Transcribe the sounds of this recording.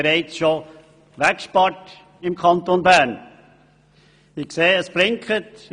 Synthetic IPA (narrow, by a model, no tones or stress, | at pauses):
ɾaɪt͡sʃo | ʋækʃpɑt | ɪmkʰɑntonbæɾn | ɪkseːəsb̥ɾɪŋkʰət